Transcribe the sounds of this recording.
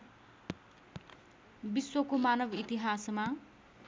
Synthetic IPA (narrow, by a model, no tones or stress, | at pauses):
biswʌkomanʌbit̪iɦasma